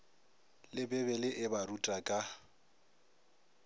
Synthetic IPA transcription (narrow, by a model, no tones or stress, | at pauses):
lɪbɛbɛlɪʔɪbaɾutʼakʼa